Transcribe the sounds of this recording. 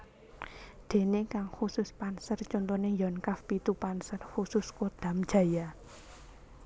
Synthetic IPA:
d̪̥e̤nekaŋxusʊspansərt͡ʃɔnt̪onejɔnkafpit̪upansərxusʊskod̪̥ä̤md̥ʒ̥ä̤ja

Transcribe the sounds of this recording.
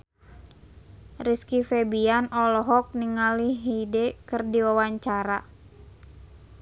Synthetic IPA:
riskifɛbianʔɔlɔɦɔk̚niŋaliɦidɛkɨrdiwawaɲt͡ʃaɾa

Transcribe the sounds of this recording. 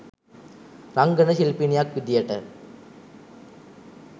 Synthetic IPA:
ɾɐŋɡɐɳɐʃɪlpinɪjaːk̚ʋɪd̪jɐʈːɐ

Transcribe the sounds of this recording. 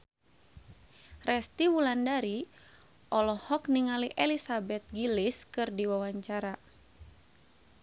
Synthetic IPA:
rɛst̪iwulandaɾi | ʔɔlɔhɔkniŋaliʔɛlisabɛt̪̚ɡiliskɨrdiwawaɲt͡ʃaɾa

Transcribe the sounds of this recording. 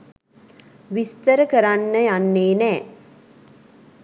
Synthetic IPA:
ʋist̪əɾəkəɾanːəjanːeːnɛː

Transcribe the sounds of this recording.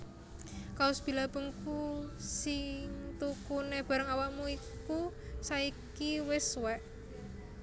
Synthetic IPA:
kaʊsb̥i̤lab̥əŋkusɪŋt̪ukuneb̥a̤ɾəŋawaʔmuikusaikiwɪswɛʔ

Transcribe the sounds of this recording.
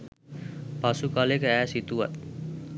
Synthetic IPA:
pasukalekɛːsit̪uɐ̰t̪̚

